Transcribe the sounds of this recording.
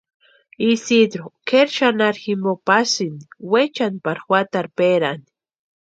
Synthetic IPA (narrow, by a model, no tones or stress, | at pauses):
isid̪ɾokʰeɾʃanaɾximbopasiniwet͡ʃanpaɾxwat̪aɾpeɾani̥